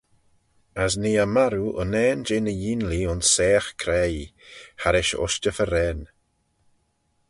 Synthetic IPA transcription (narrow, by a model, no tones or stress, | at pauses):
əsniːamaɾuʔə̰nɛːnd͡ʒɪnəjinliʊnsːɛːxkʰɾɛ | haɾɪʃɔ̰ʃt͡ʃəfəɾɛn